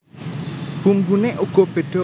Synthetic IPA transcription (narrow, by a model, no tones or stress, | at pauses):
pumbunɛʔokopeto